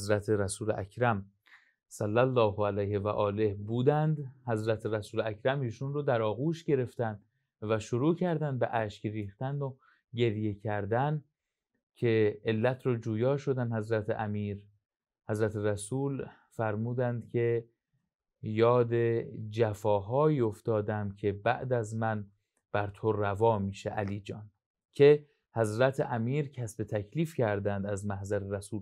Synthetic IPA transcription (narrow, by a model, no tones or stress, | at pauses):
zɾæt̪ʰeɾæsuːleʔæ̰kʰɾæm | sælːælːɒːhoælæjhevæʔɒːle̞hbuːd̪ænd̪hæzɾæt̪ʰeɾæsuːlækʰɾæmiːʃunrod̪æɾɒːɣuːʃɟe̞ɾe̞ft̪ænd̪ | væʃoɾuːcʰæɾd̪ænd̪beʔæːʃcriːxt̪æno | ɟe̞ɾje̞cʰæɾd̪æn | cʰe̞elːæt̪ʰɾɔːd͡ʒuːjɒːʃo̞d̪ænhæzɾæt̪ʰeʔæmiːɾ | hæzɾæt̪ʰeɾæsuːl | fæɾmuːd̪ænd̪cʲʰe̞ | jɒːd̪e̞d͡ʒæfɒːɦɒːiːo̞ft̪ɒːd̪æmcʰe̞bæʔd̪æzmæn | b̥æɾt̪ʰorævɒːmiːʃeʔæliːd͡ʒɒːn | cʰe̞ | hæzɾæt̪ʰeʔæmiːɾcʰæsbet̪ʰækʰliːfcʰæɾd̪ænd̪æzmæhzæɾeɾæsuːl